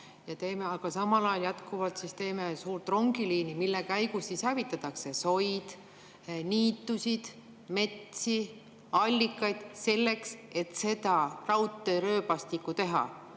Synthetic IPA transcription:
jɑt̪e̞ːme̞ɑɡ̥ɑsɑmɑlɑjɑljɑt̪kuvɑlt̪sist̪e̞ːme̞suːɾt̪ˑro̞ŋɡ̥iliːnimilːekæjɡ̥usːishævit̪ːˑɑt̪ːˑɑkse̞so̞jd̪̥ | niːt̪ːˑusʲid̪̥ | me̞t̪si | ɑlʲːikˑːɑjd̪̥se̞lːe̞kse̞t̪se̞d̪ɑrɑwt̪ːˑeɾø̞ːpɑst̪ikːut̪e̞ɦɑ̰

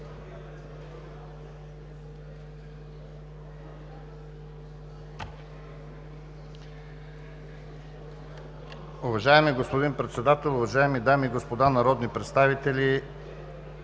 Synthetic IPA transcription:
ʊvɐʒaɛmiɡospod̪inpɾɛt̪sɛd̪at̪ɛlˠʊvɐʒaɛmid̪amiːɡospod̪anɐɾɔd̪nipɾɛt̪st̪avit̪ɛli

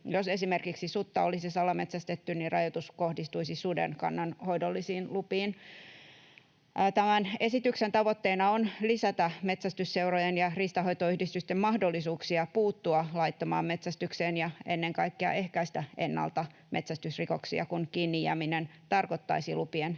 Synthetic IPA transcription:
jose̞simerkiksisut̪ːɑolisisɑlɑme̞t̪sæst̪et̪ːynnirʔɑjot̪usko̞hdist̪uisisudḛnkɑ̰nːɑnhoidolːisiːnlupiːn | t̪æmæne̞sit̪yksent̪ɑʋot̪ːeːnɑonlisæt̪æme̞t̪sæst̪ysseurojenjɑrist̪ɑɦo̞jt̪oyhdist̪yst̪emmɑhdolːisuːksiɑpuːt̪ːuɑlɑit̪ːɑmɑ̰ːme̞t̪sæst̪ykseːnjɑenːeŋkɑikːiɑ̰ʔe̞hkæist̪æe̞̰nːɑ̰lt̪ɑ | me̞t̪sæst̪ysrikoksiɑ̰kunkiːnːijæ̰minent̪ɑrkot̪ːɑ̰isilupien

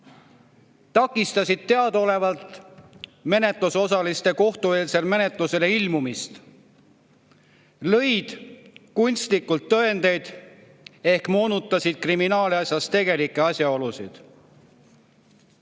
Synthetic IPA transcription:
t̪ɑkːˑist̪ɑsʲid̪̥̚t̪ːe̞ɑd̪o̞le̞vɑlt̪ | me̞ne̞t̪luso̞sɑlist̪e̞ko̞ht̪ue̞ːlse̞lme̞ne̞t̪ˑluse̞le̞ilmumist̪ | lɤ̞jd̪̥kunʲst̪likːult̪ːɤ̞end̪e̞jd̪̥ | e̞hkmo̞ːnut̪ːˑɑsid̪̥̚kriminɑːliɑsʲjɑst̪e̞ɡ̥e̞likːˑe̞ɑsjɑo̞lusḭd̪̥

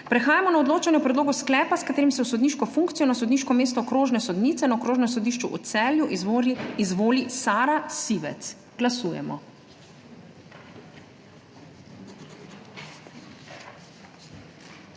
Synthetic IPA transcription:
pɾɛxaːjamɔnaɔd̪loːt͡ʃanjɛpɾɛd̪loːɡusklɛːpaskat̪eːɾimsɛwsɔd̪niʃkɔfuŋkt̪sijɔnasɔd̪niːʃkɔmeːst̪ɔkɾoːʒnɛsɔd̪niːt̪sɛnaɔkɾoːʒnɛmsɔd̪iːʃt͡ʃuʔɔt̪sɛːljuʔiizʋoːlisaːɾasiːʋɛ̰t̪s | ɡ̥lasuːjɛ̰mɔ̰

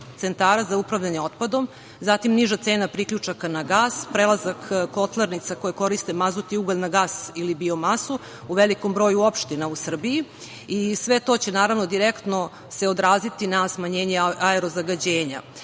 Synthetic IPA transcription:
t̪se̞nt̪aːɾazaupɾaʋʎaɲeo̞t̪pad̪o̞m | zat̪imniʒat̪se̞ːnapɾikʎut͡ʂakanaɡaːspɾelˠazakkːo̞t̪lˠaɾnit̪sako̞jeko̞ɾist̪e̞mazut̪iuɡolʲnaɡaːsilibiomasu | uʋe̞liko̞mbɾo̞ːjuopʃt̪inausr̩biji | isʋe̞t̪o̞t͡ɕe̞naːɾaʋno̞d̪iɾekt̪no̞ | se̞o̞d̪ɾaːzit̪inasmaɲe̞ːɲeaeɾo̞zaɡad͡ʑeːɲa̰

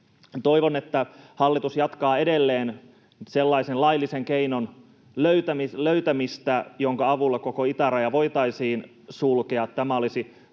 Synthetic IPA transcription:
t̪o̞iʋonet̪ːæhɑlːit̪usjɑt̪kɑːe̞delːeːn | selːɑisenlɑilːiseŋkeinon | løyt̪æmiløyt̪æmist̪æjoŋkɑɑʋulːɑkokoit̪ærɑjɑʋo̞it̪ɑisiːn | sulkeɑt̪t̪æmæolisi

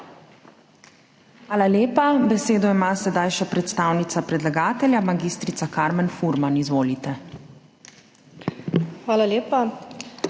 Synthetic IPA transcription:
xʋaːlaljeːpabɛseːd̪ɔimasɛd̪ajʃɛpɾɛt̪st̪aːwnit̪sapɾɛd̪laɡaːt̪ɛljamaɡist̪ɾit̪sakaɾmɛnfuɾmanizʋoːlit̪ɛ | xʋaːlaljeːpa

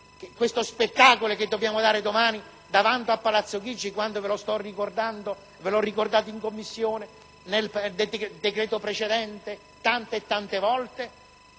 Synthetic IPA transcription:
kkwest̪ospet̪ːaːkoloked̪ːobjaːmod̪aːɾed̪omaːni | d̪avant̪oapːalat̪sːoɡ̟id͡ʒːikwand̪ovɪlost̪ɔrikord̪and̪o | vɪlɔrːikord̪aːt̪̬oiŋkomːisːjoːne | neld̪ed̪ekɾɛːt̪opɾet͡ʃed̪ɛnt̪e | t̪ant̪eːt̪ːant̪evɔlt̪e

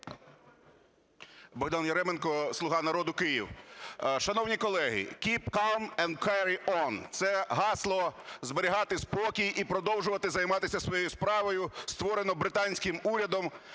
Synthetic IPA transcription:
bɔɦd̪ɑnjɐɾɛmenkɔslˠʊɦɑnɐɾɔd̪ʊkɪjiw | ʃɐnɔwnʲikɔlˠɛɦɪ̰kʲipkɑlˠmɛnd̪̚kɛɾiʔɔnt̪sɛɦɑslˠɔzbeɾʲiɦɑt̪ɪspɔkʲijʔipɾɔd̪ɔwʒʊʋɐt̪ɪzɐjmɑt̪ɪsʲɐsʋɔjɔjʊspɾɑʋɔjʊst̪ʋɔɾenɔbɾɪt̪ɑnʲsʲkɪmuɾʲɐd̪ɔm

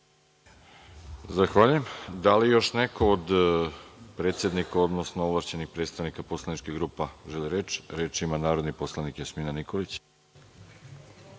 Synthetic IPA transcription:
zaxʋaːʎujemd̪alijo̞ʃnekood̪ | pɾet̪sjed̪nikaod̪nosnoovlˠaʃt͡ɕenixpɾet̪st̪aʋnikapo̞slˠanit͡ʃkiɣɡɾuːpaʒeliɾeːt͡ʃɾeːt͡ʃimanaːɾod̪niposlˠanikjasmiːnanikolit͡ɕ

